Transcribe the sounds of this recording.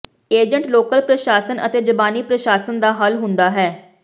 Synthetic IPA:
eːd͡ʒəɳʈloːkəlpɾəʃaːsənə̰t̪eːd͡ʒəbaːniːpɾəʃaːsənd̪aːɦəlɦʊ̃nd̪aːɦɛː

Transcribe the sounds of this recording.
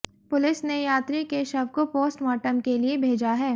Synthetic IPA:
pʊlɪsnejaːt̪ɾikeʃɐbkopoːsʈmaːʈəmkeliebʱeːd͡ʒaɦɛː

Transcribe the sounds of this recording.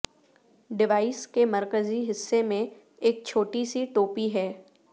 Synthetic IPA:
ɖɪʋaːɪskemɐɾkəziɦɪsːemẽ | eːk̚t͡ʃʰoːʈisiʈoːpiɦɛː

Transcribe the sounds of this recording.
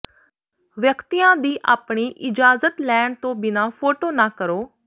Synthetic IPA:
ʋjəkt̪iːãːd̪iːʔaːpɳiːʔɪd͡ʒaːzət̪lɛːɳt̪õːbɪnãːpʰoːʈoːnaːkəɾoː

